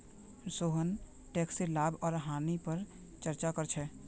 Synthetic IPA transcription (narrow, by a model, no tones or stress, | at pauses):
soɦən | ʈɛkselabɔːɾɦanipəɾ | t͡ʃəɾt͡ʃakəɾt͡ʃʰɛ